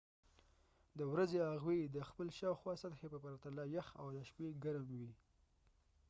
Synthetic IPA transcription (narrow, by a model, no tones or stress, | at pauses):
d̪əwɾazeaɣwed̪əxpəlʃɑwxwɑsat̪xepəpaɾat̪alɑjaxa̰wlaʃpeɡaɾmwi